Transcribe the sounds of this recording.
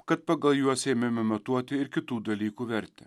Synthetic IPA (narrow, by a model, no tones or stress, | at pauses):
kɐt̪̚pɐɡɐlˠjuɔsʲɛmʲɛmɛmɐt̪uɔt̪ʲɪɪɾkʲɪt̪uːd̪ɐlʲiːkuːʋʲɛɾt̪ʲɛ